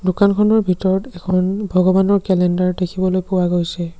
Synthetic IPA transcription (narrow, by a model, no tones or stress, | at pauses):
dukankʰɔnɔɹbʱitɔɹɔtɛkʰɔnbʱɔɡɔbanɔɹkɛlɛndaɹdekʰibɔlojpʊwaɡojsɛ